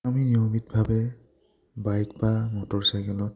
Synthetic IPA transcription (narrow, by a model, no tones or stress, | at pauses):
aminijomit̚bʱabɛ | bajkbamɔtɔɹsajkɛlɔt̚